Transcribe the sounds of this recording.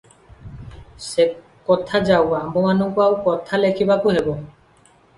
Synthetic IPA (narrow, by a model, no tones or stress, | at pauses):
ʃe | kɔt̪ʰad͡ʑawambʱomanokawkɔt̪ʰalekʰibakuɦebo